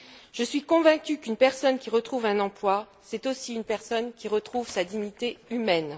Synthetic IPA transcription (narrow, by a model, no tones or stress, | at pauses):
ʒ̥əsɥikɔ̃vɛ̃kʲykynpɛʁsɔnkʲiʁət̪χuvɛ̃nɑ̃plwa | sɛt̪osiynpɛʁsɔnkʲiʁət̪χuvsad̪iɲit̪eymɛn